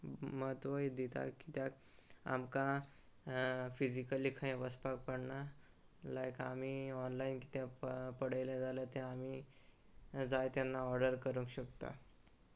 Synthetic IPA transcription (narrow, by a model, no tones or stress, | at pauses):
məɦət̪ʋəid̪it̪a̰kːit̪jak | a̰mkã | fid͡ʑikəlikʰə̃ẽʋəspak̚pəɽɳa | lajkamiɔnlainki̥t̪japəɽəjlẽd͡zalat̪ẽami | d͡zajt̪janːaɔɾɖəɾkəɾũŋkɕəkt̪a̰